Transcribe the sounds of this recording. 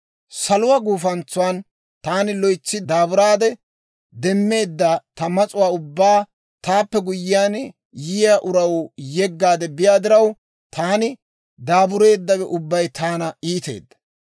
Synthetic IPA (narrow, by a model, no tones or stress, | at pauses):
sɐlʊwaɡuːfɐnt͡sːʊwan | t̪aːnɪlɔjt͡sːɪd̪aːbʊɾaːd̪ɛ | d̪ɛmːe̞ːd̪ːɐt̪ɐmɐt͡sʼʊwaːʊbːaː | t̪aːpːɛɡʊjɪjaːn | jɪjaʔʊɾɐwjɛɡːaːd̪ɛbɪjaːd̪ɪɾɐw | t̪ʰaːnɪ | d̪aːbʊɾe̞ːd̪ːɐbɛʔʊbːɐjt̪aːnɐiːt̪e̞̰ːd̪ːɐ̥